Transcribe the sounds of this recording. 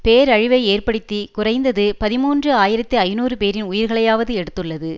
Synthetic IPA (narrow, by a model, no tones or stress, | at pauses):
peːɾɐɻɪʋɐɪeːrpɐɽɯt̪ːikʊrɐɪnd̪ɐðɯpɐðɪmuːndrɯaːjɪɾɐt̪ːɯɐɪnuːrɯpeːɾɪnʊjɪɾɣɐɭɐjaːʋɐðɯɛɽɯt̪ːɯɭːɐðɯ